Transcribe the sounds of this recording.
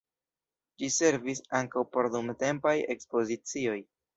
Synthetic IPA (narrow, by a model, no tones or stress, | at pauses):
d͡ʒise̞ɾvisaŋkawpo̞ɾdumte̞mpaje̞kspo̞zit͡sio̞j